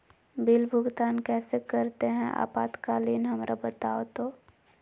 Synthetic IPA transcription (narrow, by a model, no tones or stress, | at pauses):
bɪlbʱʊɡt̪aːnkɛːsekəɾt̪eɦɛ̃ʔa̰ːpaːt̪kaːliːnɦɐmɾʔabət̪aːot̪oː